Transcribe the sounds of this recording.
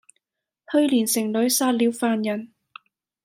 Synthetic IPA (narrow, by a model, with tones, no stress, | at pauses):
hɵ˥˧ɥliː˨˩nsɪ˨˩ŋlɵ˨˥ɥsaː˧t̚liː˨˥wfaː˨njɐ˨˩n